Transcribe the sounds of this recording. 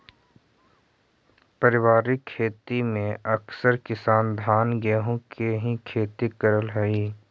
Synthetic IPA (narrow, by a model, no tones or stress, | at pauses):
pɐɾɪwaːɾɪkʰːeːt̪imẽʔɐksəɾkɪsaːnd̪ʱaːnɡɛːɦõkeɦĩkʰeːt̪ikəɾəlɦɛiː